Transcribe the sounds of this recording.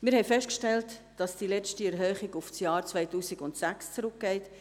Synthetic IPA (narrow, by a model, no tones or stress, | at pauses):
mɪɾhɛɪfɛʃtkʃtɛlt | d̥ɑsd̥ilɛt͡stiɛɾɦœːχiɡʊfsjɑːɾt͡svaɪtuːsiɡʊntsækst͡sɾʊk̚ɡ̥ɛɪt